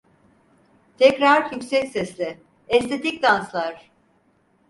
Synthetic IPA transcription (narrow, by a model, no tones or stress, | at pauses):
t̪ʰɛcɾaɾjycsɛcsɛslʲɪ | ɛst̪ʰe̞t̪icd̪anslˠaɾ̥